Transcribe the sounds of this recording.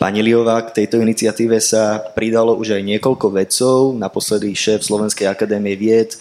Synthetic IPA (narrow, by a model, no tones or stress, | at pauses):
pa̰ɲiliɔʋaːkt̪ɛjt̪ɔinit͡sɪat̪iːʋɛsapɾid̪alɔʔuʒajɲɪɛkɔlkɔʋɛt͡sɔʊnapɔslɛd̪iʃɛːfslɔʋɛnskɛjakad̪ɛːmiɛʋɪɛt̪